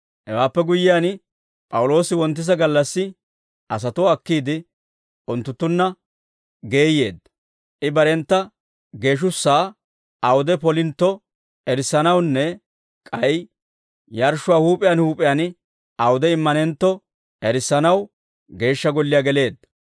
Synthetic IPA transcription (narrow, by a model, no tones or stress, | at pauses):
hɛwaːpːɛɡʊjːɪjaːn | pʼɐwʊlo̞ːsɪwɔnt̪̬ːɪz̬ɐɡɐlːɐsːɪ | ʔɐs̬ɐt̪ɔɐkːiːd̪ɪ | ʔʊnt̪ːʊt̪ːʊnːɐ | ɡe̞ːje̞̰ːd̪ːɐ | ʔɪbɐɾɛnt̪ːɐ | ɡe̞ːʃ̬ʊsːaː | ɐwʊd̪ɛpɔlɪnt̪ːɔ | ɛɾɪsːɐnɐwnːɛ | kʼɐj | jɐɾʃʊwaːhuːpʼɪjanhuːpʼɪjaːn | ɐwʊd̪ɛɪmːɐnɛnt̪ːɔ | ɛɾɪsːɐnɐw | ɡe̞ːʃːɐɡɔlːɪjaːɡɛle̞ːd̪ːɐ